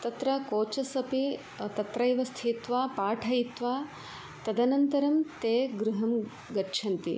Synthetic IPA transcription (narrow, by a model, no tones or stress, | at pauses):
t̪ɐt̪ɾɐkoːt͡ʃɐsɐpi | t̪ɐt̪ɾɐjʋɐst̪ʰit̪ʋaːpaːʈʰɐjit̪ʋaː | t̪ɐd̪ɐnɐnt̪ɐɾɐmt̪eːɡɾuɦɐm | ɡɐʈːʃʰɐnt̪ḭ